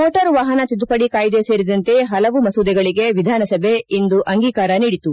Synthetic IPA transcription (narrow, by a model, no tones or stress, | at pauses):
moːʈɐɾʋaːɦɐnɐt̪id̪upɐɽikaːjd̪eseːɾid̪ɐnt̪e̞ɦɐlɐʋumɐsuːd̪ɛɡɐɭiɡe̞ʋid̪ʱaːnɐsɐbʱeind̪uʔɐŋɡiːkaːɾɐniːɽit̪u